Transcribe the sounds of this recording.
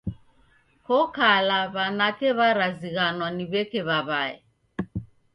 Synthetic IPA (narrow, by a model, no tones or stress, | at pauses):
kɔkalaβanakɛβaɾaziɣanɔniβɛkɛβaβaɛ̰